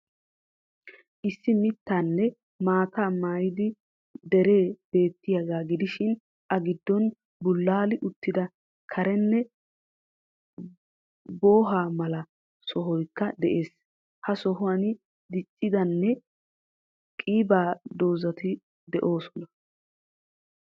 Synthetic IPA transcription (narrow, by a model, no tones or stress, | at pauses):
ʔɪsːɪmɪt̪ːaːnːɛ | maːt̪aːmaːjɪd̪ɪ | d̪ɛɾe̞ːb̥e̞ːt̪ːɪjɐɡaːɡɪd̪ɪʃɪn | ʔɐɡɪd̪ːɔn | bʊlːaːlɪʔʊt̪ːɪd̪ɐ | kʰɐɾɛnːɛ | bo̞ːɦaːmɐlɐ | sɔɦɔjkːɐd̪ɛʔe̞ːs | hɐsɔɦʊwɐnɪ | d̪ɪt͡ʃʼːɪd̪ɐnːɛ | kʼiːbaːd̪o̞ːzɐt̪ɪ | d̪ɛʔo̞ːsɔnɐ